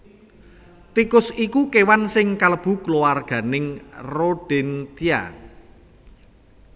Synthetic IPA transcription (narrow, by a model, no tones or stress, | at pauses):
t̪ikʊsikukewansɪŋkaləb̥ṳklowarɡ̥ä̤nɪŋroɖ̥ɛnt̪ia̰